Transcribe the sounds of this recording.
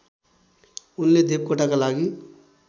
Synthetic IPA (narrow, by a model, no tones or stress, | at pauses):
ʊnːed̪eːp̚koʈakalaːɡi